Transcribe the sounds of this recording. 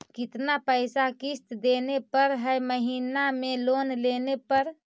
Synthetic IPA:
kit̪napəjsakist̪d̪enepəɾɦəjməɦinamelonlenepəɾ

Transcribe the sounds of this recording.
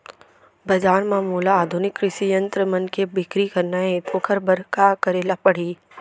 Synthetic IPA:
bɐd͡ʒaːnmãːmuːlaːd̪ʱʊnɪkːɾɪʃijə̃nt̪ɾəmɐnkebɪkɾikɐɾnaet̪ʰoːkʰəɾbɐɾkakəɾeːlapɐɽ̤iː

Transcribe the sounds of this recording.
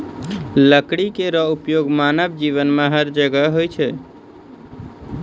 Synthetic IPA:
ləkɽikeɾəupjoɡmanəbd͡ʒiʋənmeɦəɾd͡ʒəɡəɦojt͡ʃʰɛ

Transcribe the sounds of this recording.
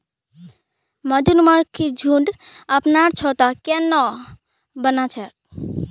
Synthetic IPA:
məd̪ʱunməɾkʰid͡ʒʱuɳɖəpnaɾt͡ʃʰɔt̪akenɔ | bənat͡ʃʰɛk

